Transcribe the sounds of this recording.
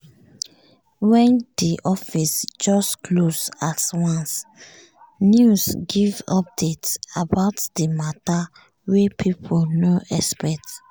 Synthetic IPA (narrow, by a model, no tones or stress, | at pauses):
wɛ̃ndiʔɔfisd͡ʒɔstklosaswãns | njusɡivɔ̰p̚detabaʊtdəmata | wepʰipʰolnoʔɛspɛt